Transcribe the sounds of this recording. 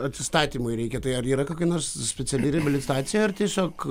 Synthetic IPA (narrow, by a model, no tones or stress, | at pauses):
ɐt̪ʲsʲɪst̪ɑːt̪ʲiːmʊɪɾʲɛɪkʲɛt̪ɐɪɐɾiːɾɐkoːkʲɐɪnoːɾssʲpʲɛtsʲɛlʲɪɾʲɛbʲɪlʲɪt̪ɑːt̪t͡s̪ʲɪjoːɐrt̪ʲiɛsʲoːk